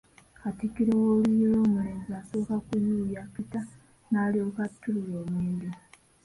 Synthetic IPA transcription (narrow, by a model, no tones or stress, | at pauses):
katikːiɾewoːlijoloːmuleːmziasokakujujapita | naːliokatːulujoːmweːndi